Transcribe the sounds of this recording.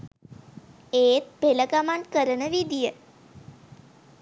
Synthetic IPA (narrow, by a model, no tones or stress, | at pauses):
eːt̪̚peləɡamaɳkəɾənəʋid̪ijə